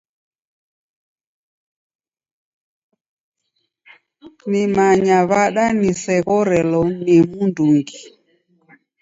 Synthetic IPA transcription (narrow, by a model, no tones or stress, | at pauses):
nimaɲaβaɗanisɛɣɔɾɛlɔnimunduŋɡi